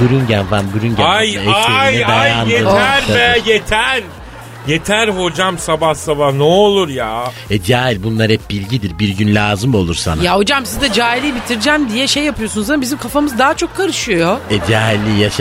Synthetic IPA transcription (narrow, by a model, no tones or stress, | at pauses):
buɾynɟænvanbuɾynɟæajeaij̪ɯd̪ajaːneæɾbɛjet̪ʰæɾ | jet̪ʰæɾho̞d͡ʒamsabahsabahneolˠuɾjaː | ɛd͡ʒaːilʲbunlˠaɾhɛp̚bilʲɟid̪iɾbiɾɟynlʲaːzɯmo̞lˠuɾsa̰najaɦo̞d͡ʒamsizd̪ɛd͡ʒaːilʲiːbit̪ʰiɾd͡ʒæmd̪ijɛʃejːapʰɯjo̞sunuzaabizimkʰafamɯzd̪aɦat͡ʃʰo̞kʰːaɾɯʃujoɛd͡ʒaːɦilʲːijaʃ